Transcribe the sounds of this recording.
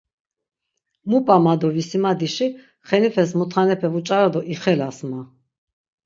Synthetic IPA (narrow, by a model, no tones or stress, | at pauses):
mupʼamad̪ɔvisimad̪iʃi | χɛnifʰɛsmut̪ʰχanɛpʰɛvut͡ʃʼaɾad̪ɔʔiχɛlasma